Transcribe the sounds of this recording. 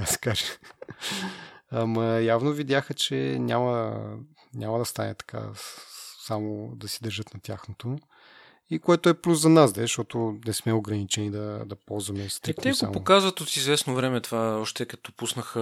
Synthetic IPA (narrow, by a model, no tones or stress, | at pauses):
asɛ̥kaʒɛ | ɐmɐjavnovid̪ʲjaxət͡ʃɛnʲamə | nʲamɐd̪ɐst̪a̰nɛ̰t̪ɐ̥ka̰ | samod̪ɐsid̪ɐɾʒɤt̪nɐt̪ʲa̰xnot̪o | ikoɛt̪oɛplʲuszɐnazd̪ɛʃt̪ɔt̪onɛsmɛoɡɾɐnit͡ʃɛnid̪ɐd̪ɐpɔlˠzvɐmɛst̪ɾit̪ɛsoa̰mpokazvɐt̪ot̪izvɛsnovɾɛmɛt̪ovaɔʃt̪ɛkɐt̪ɔpusnəxə